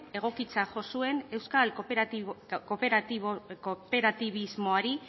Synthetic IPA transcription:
e̞ɣ̞o̞kit͡saʝo̞sue̞ne̞wskal | kopeɾaikope̞ɾat̪iβ̞izmo̞aɾi

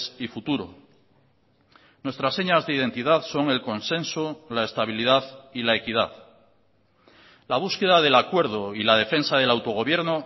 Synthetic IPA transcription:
sifut̪uɾo̰ | nwe̞st̪ɾasːe̞ɲazðeiðe̞nt̪iðaðso̞ŋe̞lko̞nsẽ̞nsolaest̪aβ̞iliðaðilae̞kiðað | laβ̞uske̞ðaðe̞lakwe̞ɾð̞o̞ilað̞e̞fẽ̞nsað̞e̞lawt̪o̞ɣ̞o̞β̞je̞ɾno

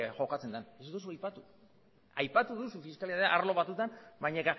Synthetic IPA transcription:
ʝo̞kat͡se̞nd̪anesut̪os̬oajpat̪u | ajpat̪uðusufiskaliaðeʔaɾlo̞βat̪ut̪anbajɲeka

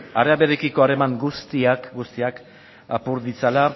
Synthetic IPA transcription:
aɾeaβeɾekiko̞aɾe̞maŋɡust̪iakɡust̪iak | apuɾðit͡sala

